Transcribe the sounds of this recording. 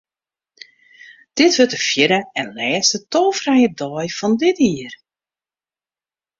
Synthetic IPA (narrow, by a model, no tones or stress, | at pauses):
d̥ɪtʋøtəfjɪɾəɛnlɛːstətoːfrɛjədɔjfɔndɪtiər